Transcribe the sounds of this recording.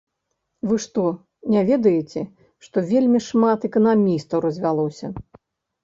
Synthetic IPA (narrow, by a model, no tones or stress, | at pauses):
vɨʂt̪ɔ | nʲɛvʲɛd̪ɐjet͡sʲɛ | ʂt̪ɔvʲelʲmʲiʂmat̪ɛkɐnamʲist̪ɐwrɐzʲvʲalˠɔsʲɐ